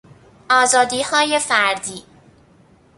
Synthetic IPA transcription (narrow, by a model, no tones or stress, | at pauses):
ɒːzɒːd̪iːhɒːje̞fæɾd̪iː